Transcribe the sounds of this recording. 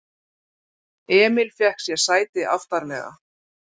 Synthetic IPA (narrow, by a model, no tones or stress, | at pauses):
ɛːmɪlfjɛhksjɛsaːjt̪ɪʔa̰ft̪aɾmɛ̰ːɣa̰